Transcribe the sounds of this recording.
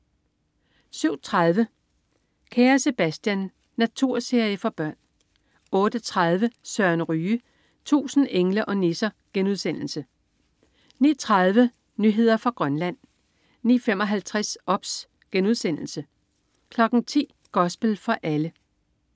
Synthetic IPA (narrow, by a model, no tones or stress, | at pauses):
syʊ̰t͡sʰʁaðˠʋə | kʰæːɐse̝b̥æsd̥jænː | æt͡sʰuɐ̰se̝ɐjəfɒ̽b̥ɶɐ̰n | ɔ̽ːd̥ət͡sʰʁað̞ˠʋəsɶɐnʁyː | t͡sʰṵːsn̩eŋləʔɒ̽nesɐ | ɡ̥enuðˠsen̰l̩sə | nḭːɐt͡sʰʁɑað̞ˠʋə | nyɦe̝ð̞̰ˠɐfʁɑ̈ɡ̥ʁɶnlæn̰ | nḭːfemɒ̽ɦælt͡sʰʁasɒ̽b̥s | ɡ̥enuð̞ˠsen̰l̩sə | kʰlɒ̽ɡ̥n̩t͡sʰḭː | ɡ̥ɒ̽sb̥əl̩fɒ̽ʔælə